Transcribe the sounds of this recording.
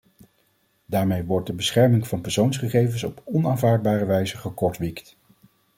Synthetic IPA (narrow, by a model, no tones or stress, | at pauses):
daːɹmejʋɔɹt̚dəbəsχɛɹmɪŋvɑnpɛɹsownsχəχejvənsɔpɔnaːnvaːɹd̚baːrəʋɛjzəχəkɔɹtʋɪkt